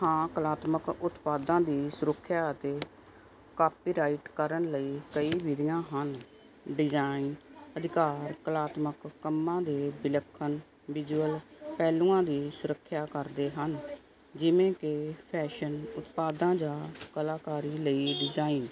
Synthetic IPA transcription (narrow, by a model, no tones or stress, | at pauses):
hãːkəlaːt̪məkʊt̪paːd̪ãːd̪iːsʊɾəkʰːjaːət̪eː | kaːpiːɾaːiʈkəɾənləiːkəiːʋɪd̪ɪjãːɦən | ɖɪd͡ʒaːinəd̪ɪkaːɾkəlaːt̪məkːəmːãːd̪eːbɪləkʰːən | ʋɪd͡ʒuːəlpɛːlũːãːd̪iːsʊɾəkʰːjaːkəɾd̪eːɦən | d͡ʒɪʋẽːkepʰɛːʃənʊt̪paːd̪ãːd͡ʒaːkəlaːkaːɾiːləiːɖɪd͡ʒaːiːn